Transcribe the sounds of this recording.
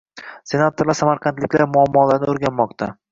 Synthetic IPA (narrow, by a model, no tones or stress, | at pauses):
se̞nat̪ʰoɾlaɾsamaɾqʰɑnt̪lɪkʲlaɾmʊamːɒlaɾnɪoɾɡʲanmɒqt̪ʰa